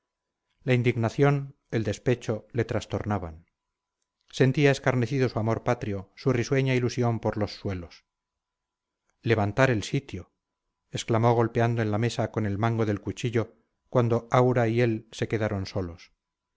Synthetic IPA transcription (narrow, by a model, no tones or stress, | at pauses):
laind̪iɣnaθjo̞n | e̞ld̪e̞spe̞t͡ʃo̞le̞t̪ɾast̪o̞ɾnaβa̰n | se̞nt̪iaeskaɾne̞θiðo̞suamo̞ɾpat̪ɾjo̞suriswe̞ɲailusjo̞mpo̞ɾlo̞sːwe̞lo̞s | le̞β̞ant̪aɾe̞lsit̪jo̞ | esklamo̞ɣ̞o̞lpe̞and̪oe̞nlame̞sako̞ne̞lmaŋɡo̞ðelkut͡ʃiʎo̞ | kwand̪o̞awɾaie̞lse̞ke̞ðaɾo̞nso̞lo̞s